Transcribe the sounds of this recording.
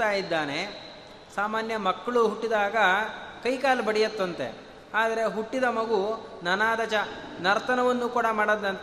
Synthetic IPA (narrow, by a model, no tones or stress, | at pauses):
t̪aːjid̪ːaːne̞ | saːmaːnjɐmɐkːɐɭuɦuʈːid̪aːɡɐkɐjkaːlbɐɽijɐt̪ːɐnt̪ḛ | aːd̪ɐɾe̞ɦuʈːid̪ɐmɐɡunɐnaːd̪ɐt͡ʃɐnɐɾt̪ʰɐnɐʋɐnːuːkuːɽɐmaːɽɐd̪ːɐnt̪